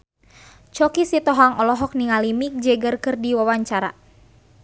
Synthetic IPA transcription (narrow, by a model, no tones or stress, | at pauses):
t͡ʃɔkisit̪ɔɦaŋɔlɔɦɔk̚niŋalimik̚d͡ʒɛɡərkɨrdiwawaɲt͡ʃaɾa̰